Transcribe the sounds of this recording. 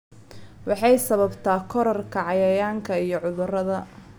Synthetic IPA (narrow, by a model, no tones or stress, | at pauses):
wɑħɑjsɐβɐbt̪ʰaːkʰɔɾɔrkʰɐʕɑjɐjaːŋkʰɐijɞʕʊðʊrɐðɐ